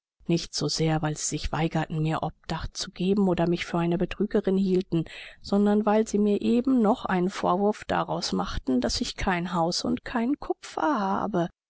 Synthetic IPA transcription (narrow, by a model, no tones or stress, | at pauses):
nɪçtz̥oːzeːɐvaɪlz̥iːzɪçv̥a̰ɪɡɐtn̩miːɐʔɔp̚d̥aχtt͡suɡ̥eːbm̩oːdɐmɪçfyːɐʔaɪnəbətʁ̥yːɡəʁɪnhiːltn̩z̥ɔndɐnvaɪlziːmiːɐʔeːbm̩nɔχʔa̰ɪnənfo̰ːɐvʊɐfd̥a̰ʁaʊsmaχtn̩d̥asɪçkʰaɪnɦaʊsʊ̰ntkʰaɪnnkʰʊpp͡ffɐ̰ha̰ːbə